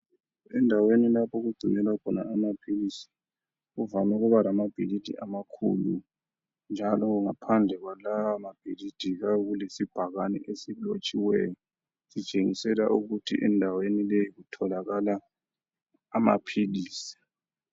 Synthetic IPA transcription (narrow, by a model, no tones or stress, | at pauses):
ɛndʱawenilapʰɔɣuɡ͡ǀʱinɛlakʰɔna̰amapʰilisi̥ | ɣuvamɔɣuβalamab̥ʱilid̥ʱḭʔamakʰṵlṵ | nd͡ʒʱalɔɣuŋapʰand͡ɮʱɛɣwalawamab̥ʱilid̥ʱiɣaɣulesib̥ʱaɣanɛ̰ʔesilot͡ʃʼiwɛjɔ | sit͡ʃʼeŋisɛlaʔuɣutʰḭʔɛndʱawenilejiɣutʰɔlaɣala | ma̰pʰiliːsi̥